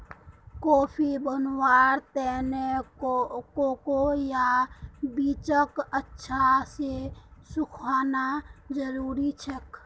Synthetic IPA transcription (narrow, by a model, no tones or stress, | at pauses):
kɔːpʰibənwaːɾt̪ɛːneokoːkojabiːt͡ʃəkətːʃʰasesʊkʰaːnad͡ʒəɾuːɾit͡ʃʰək